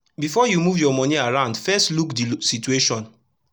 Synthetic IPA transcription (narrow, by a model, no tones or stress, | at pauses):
bifɔjumuvjɔmɔ̃niaɹãʊ̃ndfɛstlukdisitueʃɔ̃n